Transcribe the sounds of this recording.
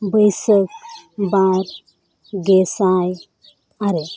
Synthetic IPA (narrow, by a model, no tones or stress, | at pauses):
bəjsəkbaɾ | ɡesaj | aɾe